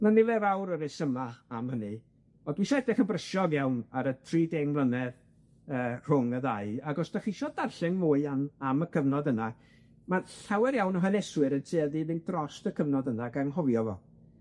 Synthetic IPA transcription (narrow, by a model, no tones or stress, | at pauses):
manɪvɛvawɾəɾɪsəmaamhənɨ | ɔdwiʃaɛdɛχənbrəʃɔɡjawnaɾətʰriːdɛŋblˠənɛð | əːr̥ʊŋəðaɨaɡɔsd̥aχiʃɔdarɬɪŋmʊɨanaməkʰəvnɔdəna | manɬawɛɾjawnəɦənɛswɨɾətʰeːðiðɪndrɔstəkʰəvnɔdənaɡaŋɦɔvjɔvɔ̰